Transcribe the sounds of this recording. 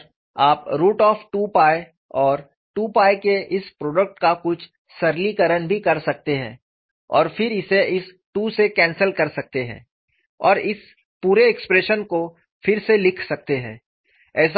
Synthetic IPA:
aːpɾuːʈɔːfʈuːpaːe | ɔːɾ | ʈuːpaːekeʔɪspɾoːɖək̚ʈkakʊt͡ʃʰ | sɐɾlikəɾənbʱikɐɾsɐk̚t̪eɦɛ̰̃ː | ɔ̰ːɾfɪɾɪseʔɪs | ʈuːsekɛ̃ːnsəlkɐɾsɐk̚t̪eɦɛ̰̃ː | ɔːɾɪs | puːɾeːkspɾeːʃənko | fɪɾselɪkʰsɐk̚t̪eɦɛ̰̃ː | ɛːs̬

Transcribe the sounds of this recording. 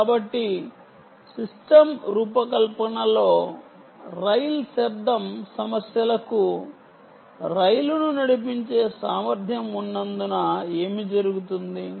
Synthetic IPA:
kaːbɐʈːi | sisʈɐmɾuːpɐkɐlpɐɳɐlo̞ː | ɾɐjlsɐɾd̪ʱːɐmsɐmɐsjɐlɐku | ɾɐjlununɐɽipiɲt͡ʃe̞ːsaːmɐɾd̪ʱjɐmunːɐnd̪unɐe̞ːmid͡ʒɐɾuɡut̪und̪i

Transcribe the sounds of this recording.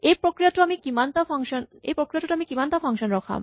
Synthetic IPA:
epɾokɾijat̪oamikimant̪afʰaŋʃonḛpɾokɾijat̪oʈaamikimant̪afʰaŋʃonɾɔkʰa̰m

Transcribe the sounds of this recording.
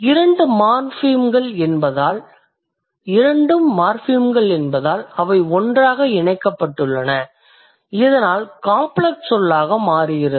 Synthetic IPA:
ɪɾɐɳɖɯmaːɾfiːmɡɐɭɛnbɐðaːl | ɪɾɐɳɖɯmːaːɾfiːmɡɐɭɛnbɐðaːlɐʋɐɪɔndraːɣɐɪnɐɪkːɐpːɐʈːɯɭːɐnɐ | ɪðɐnaːlkaːmpɭɐksɔlːaːɣɐmaːrɪɣɪɾɐ

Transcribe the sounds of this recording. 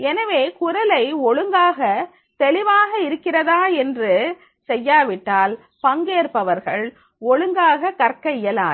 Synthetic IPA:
ɛnɐʋeːkʊɾɐlɐɪɔɭɯŋɡaːɣɐ | t̪ɛlɪʋaːɣɐɪɾɯkːɪrɐðaːɛndrɯ | sɛjːaːʋɪʈːaːl | pɐŋɡeːɾpɐʋɐɾɣɐɭ | ɔɭɯŋɡaːɣɐkɐɾkːɐɪjɐla̰ː

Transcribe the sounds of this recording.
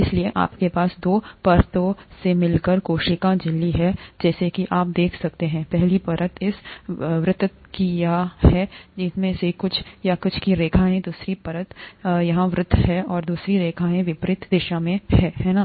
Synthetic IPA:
ɪslieʔa̰ːpkepaːsd̪oːpɐɾt̪õsemɪlkəɾkoːʃɪkãd͡ʒɪlːiɦɛd͡ʒɛːsekiʔaːp̚d̪eːkʰsɐk̚t̪eɦɛ̃ːpɛɦlipɐɾʔət̪ʰɪsʋɾɪt̪ | kijaahɛːd͡ʒɪsmẽsekʊt͡ʃʰjakʊt͡ʃʰkiɾeːkʰaːɦẽd̪uːsɾipɐɾət̪jɐɦãʋɾʊt̪ʰːɦɛɔːɾd̪uːsɾiɾeːkʰaẽʋɪpɾɪt̪d̪ɪʃamẽhɛːɦɛːnaː

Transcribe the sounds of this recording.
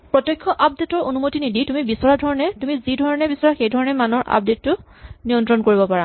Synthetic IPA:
pɹɔtjɔjkʰːɔʔap̚detɔɹonumotiniditumibisɔɹadʱɔɹɔnɛtumizidʱɔɹɔnɛbisɔɹaxejdʱɔɹɔnɛmanɔɹʔa̰p̚detːʊ | nijɔntɹɔnkoɹibɔpaɹa

